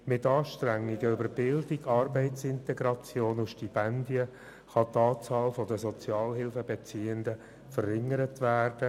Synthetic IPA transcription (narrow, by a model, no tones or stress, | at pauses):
mɪtɑːʃtræŋːiɡəøbəɾbɪldiɡɑrbɛɪtsɪntɛɡɾɑt͡sjoːnuʃʃtipɛndiə | χɑt̪ɑːt͡sɑːlfɔdəzɔt͡sjɑːlɦɪlfəbɛt͡siːənd̪ə | fərɪŋːəɾətʋæːrd̥ə